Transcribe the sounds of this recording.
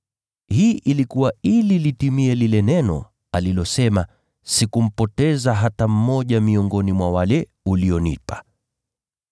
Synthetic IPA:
hiːʔilikuwaililitimiɛlilɛnɛnɔ̰ | alilɔsɛma | sikum̩pɔtɛzaɦatam̩mɔʄamiɔŋɡɔnimwawalɛ | uliɔnipḁ

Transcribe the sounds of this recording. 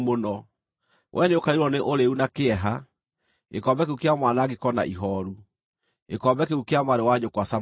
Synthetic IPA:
monɔ | wʔɛneokaiɾɔneʔoɾeunakeɛɦa | ḛkɔːmbɛkeukeamwanaɣekɔna̰ʔiɦɔɾu | ekɔmbɛkeukeamaɾewaɲokwasa

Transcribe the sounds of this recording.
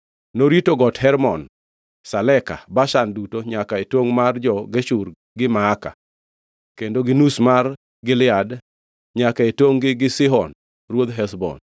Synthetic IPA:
noɾitoɡɔthɛɾmɔn | salɛka̰baʃandutoɲakaetwoŋmard͡ʒɔɡeʃur | ɡɪmaːka̰ | kendoɡɪnusmar | ɡɪlɪad | ɲakaetoŋɡɪɡɪsɪɦɔn | rwod̪ɦɛsbɔ̰n

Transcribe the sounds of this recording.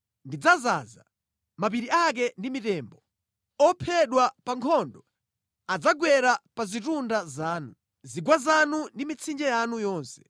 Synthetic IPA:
ndid͡zaza̰za | map̬iɾiak̬ɛndimitɛːmbɔ | ɔpʰɛɗwapaŋkʰɔndɔ | ad͡zaɡwɛɾapazitundazaːnu | ziɡwazanundimit͡sʰind͡ʒɛjanujɔːnsɛ̥

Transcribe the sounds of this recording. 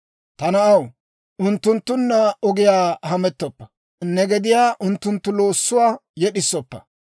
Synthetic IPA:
t̪ɐnɐɐw | ʔʊnt̪ːʊnt̪ːʊnːɐɔɡɪjaːhɐmɛt̪ːɔpːɐ̥ | nːɛɡɛd̪ɪjaːʔʊnt̪ːʊnt̪ːʊlo̞ːsːʊwaːjɛɗɪsːɔpːɐ̰

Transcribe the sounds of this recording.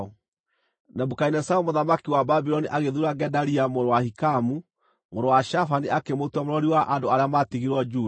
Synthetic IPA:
namukainɛsaumoðamakiwababiɾɔniʔaɣeðuɾaɡɛdaɾiamoɾowahikamu | moɾowaʃafaniakemotwamoɾɔɾiwaʔandoaɾeamatiɣiɾwɔd͡ʒu

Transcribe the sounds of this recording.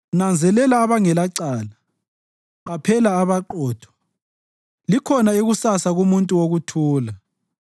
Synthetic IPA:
nand͡zʱɛlɛlaːβaŋɛlaǀaːla | βapʰɛlaːβaǃɔːtʰɔ̥ | likʰɔnaeɣusasaɣumuntʼuwoɣutʰuːla

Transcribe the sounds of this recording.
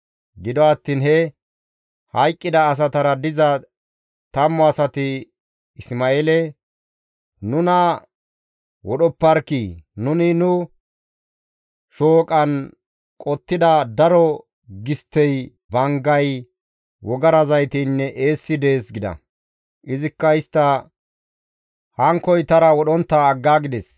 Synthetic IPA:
ɡɪd̪ɔɐt̪ːiːnɦɛ | hɐjkʼːɪd̪ɐːs̬ɐt̪ɐɾɐd̪ɪzɐ | t̪ɐmːɔɐsɐt̪ɪ | ɪsmaelɛ | nʊnɐ | wɔɗɔpːɐɾkinʊnɪnʊ | ʃoːkʼɐn | kʼɔt̪ːɪd̪ɐd̪ɐɾɔ | ɡɪst̪ːɛj | bɐŋɡɐj | wɔɡɐɾɐzɐjt̪iːnːɛʔe̞ːsːɪd̪e̞ːsɡɪd̪ɐ̰ | ʔɪzɪkːɐɪst̪ːɐ | hɐŋkɔjt̪ɐɾɐwɔɗɔnt̪ːɐːɡːaːɡɪd̪ɛs

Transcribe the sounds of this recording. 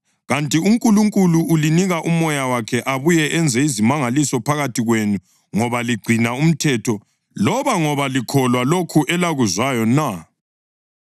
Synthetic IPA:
ɣantʼiuŋkʼuluŋkʼuluʔːliniɣaʔumɔjawakʰɛʔaβujɛʔɛnd͡zʱɛizimaŋalisɔpʰaɣatʰiɣwenu | ŋɔβaliɡ͡ǀʱinaum̩tʰɛtʰɔ | lɔβaŋɔβalikʰɔlwalokʰuʔɛlaɣuzwajɔna

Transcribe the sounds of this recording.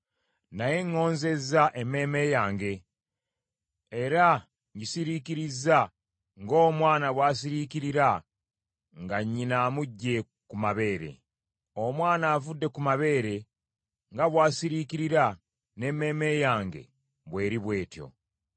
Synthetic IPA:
naje̞ŋːo̞ːnze̞zːaʔeme̞ːme̞jaːŋɡe̞ | ɾa | ɲɟisiɾiciɾiza | ŋɡo̞ːmwaːnaβwaːs̬iɾiciɾiɾa | ŋɡaɲːinaːmuɟːe̞ | kumaβe̞ːɾe̞̰ | omwaːnaːvudːe̞kumaβe̞ːɾe̞ | ŋɡaβwaːsiɾiciɾiɾa | ne̞me̞ːme̞jaːŋɡe̞̰ | βwe̞ːɾiβwe̞ːtjo̞̰

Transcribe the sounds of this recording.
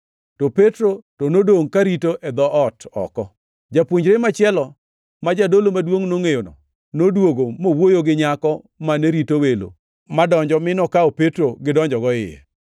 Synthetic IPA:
topetɾotonodoŋkaɾitoʔɛd̪ɔʔɔtɔ̰kɔ | d͡ʒapwoɲd͡ʒɾemat͡ʃɪɛlɔ | mad͡ʒadolomadwoŋnoŋejonɔ | nodwoɡomowojoɡɪɲakɔ | maneɾitowelo̰ | madɔɲd͡ʒɔmɪnɔkaopetɾoɡɪdɔɲd͡ʒɔɡɔɪ̰jɛ̰

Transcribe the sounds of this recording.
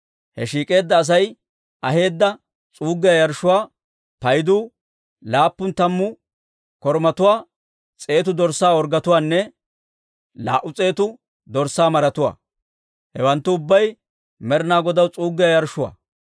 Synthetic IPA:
hɛ̰ʃiːkʼe̞ːd̪ːɐːs̬ɐj | ʔɐɦe̞ːd̪ːɐ | t͡sʼuːɡːɪjɐjɐɾʃʊwaː | pɐjd̪uː | laːpːʊnt̪ɐmːʊ | kɔɾmɐt̪ʊwaː | t͡sʼe̞ːt̪̬ʊd̪ɔɾsːaːɔɾɡɐt̪ʊwaːnːɛ | la̰ːʔːʊt͡sʼe̞ːt̪ʊ | d̪ɔɾsːaːmɐɾɐt̪ʊwa̰ː | hɛwɐnt̪ːʊːbːɐj | mɛɾnaːɡɔd̪ɐwt͡sʼuːɡːɪjajɐɾʃʊwa̰ː

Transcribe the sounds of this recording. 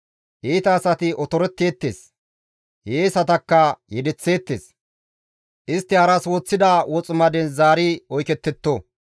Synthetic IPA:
ʔeːt̪ɐːsɐt̪ɪʔɔt̪ɔɾɛt̪ːe̞ːt̪ːḛːs | jeːsɐt̪ɐkːɐjɛd̪ɛt͡sːe̞ːt̪ːḛːs | ʔɪst̪ːɪhɐɾɐswoːt͡sːɪd̪ɐwɔt͡sʼʊmɐd̪ɛnzaːɾɪɔjkɛt̪ːɛt̪ːo

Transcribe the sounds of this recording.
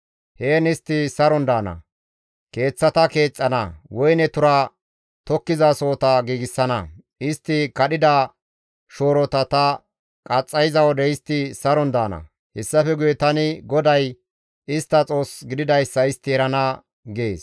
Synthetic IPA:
heːnɪst̪ːɪsɐɾɔnd̪aːnɐ̰ | ke̞ːt͡sːɐt̪ɐke̞ːt͡sʼːɐnɐwɔjnɛt̪ʊɾɐ | t̪ɔkːɪzaso̞ːt̪ɐɡiːɡɪsːɐnɐ | ɪst̪ːɪkɐɗɪd̪ɐ | ʃo̞ːɾɔt̪ɐt̪ɐ | kʼɐt͡sʼːɐjɪzɐwɔd̪ɛɪst̪ːɪsɐɾɔnd̪a̰ːnɐ̰ | hɛsːɐfɛɡʊjɛt̪ɐnɪɡɔd̪ɐj | ɪst̪ːɐt͡sʼo̞ːsɡɪd̪ɪd̪ɐjsːɐɪst̪ːɪɛɾɐnɐ | ɡeːs

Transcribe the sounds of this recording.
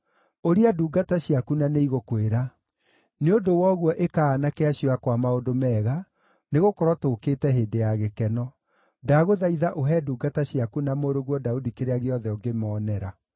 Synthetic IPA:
oɾiaduːɡataɕiakunaneiɣokweɾa | neondowɔɣwɔʔekaːnakɛaɕioakwamaodomɛːɣa | neɣokɔɾɔtokeːtɛɦeːndejaɣekɛnɔ | daɣoðaiðaʔoɦɛduːɡataɕiakunamoɾoɣwɔdaudikeɾeaɣeɔðɛɔɡemɔːnɛɾa

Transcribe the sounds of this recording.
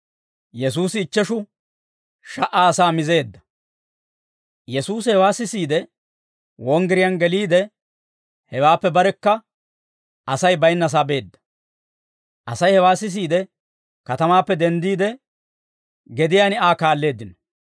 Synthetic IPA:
jɛsuːsɪːt͡ʃːɛʃʊ | ʃɐʔaːɐsaːmɪze̞ːd̪ːɐ̥ | jɛsuːsɪhɛwaːsɪsiːd̪ɛ | wɔŋɡɪɾɪjɐnɡɛliːd̪ɛ | hɛwaːpːɛbɐɾɛkːɐ | ɐsɐjbɐjnːɐs̬aːbe̞ːd̪ːɐ̥ | ʔɐ̰sɐjhɛwaːsɪs̬iːd̪ɛ | kɐt̪ɐmaːpːɛd̪ɛnd̪iːd̪ɛ | ɡɛd̪ɪjaːnɪaːkaːlːe̞ːd̪ːɪnɔ̥

